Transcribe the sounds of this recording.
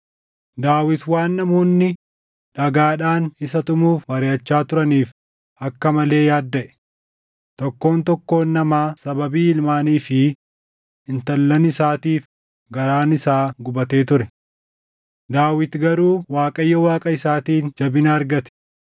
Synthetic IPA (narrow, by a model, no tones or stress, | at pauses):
d̪aːwɪt̪waːnːɐmuːnːɪ | ᶑɐɡaːᶑaːnɪsɐt̪ʊmuːfwɐɾɪɐt͡ʃːaːt̪ʊɾɐniːf | ɐkːɐmɐle̞ːjaːd̪ːɐʔɛ̥ | t̪ɔkːo̞ːnt̪ɔkːo̞ːnːɐmaːsɐbɐbiːɪlmaːniːfɪ | ɪnt̪ɐlːɐnɪsaːt̪iːf | ɡɐɾaːnɪsaːɡʊbɐt̪e̞ːt̪ʊɾɛ | d̪aːwɪt̪ɡɐɾuːwaːkʼɐjːɔwaːkʼɐɪsaːt̪iːnd͡ʒɐbɪnɐːɾɡɐt̪ɛ̥